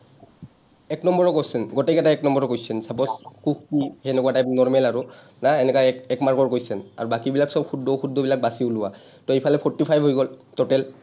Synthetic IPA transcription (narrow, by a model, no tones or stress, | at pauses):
ɛknɔmbɔɹɔkɔsɛnɡɔtɛkɛtaɛknɔmbɔɹɔkojsɛnsabɔskukkiɛnɛkuwatajnɔɹmɛlaɹu | naɛnɛkaɛkmaɹkɔɹkojsɛna̰ɹubakibilaksɔb̚xʰudʱɔxudʱɔbilak̚basiʊlʊwa | tɔejpʰalɛpʰɔɹtipʰajbʱɦojɡɔltɔtɛl